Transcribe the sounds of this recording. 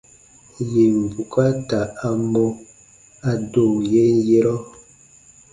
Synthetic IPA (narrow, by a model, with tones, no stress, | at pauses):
je˨m˨vu˨ka˦ta˨a˨mɔ˦ | a˨do˦˨je˦je˦ɾɔ˦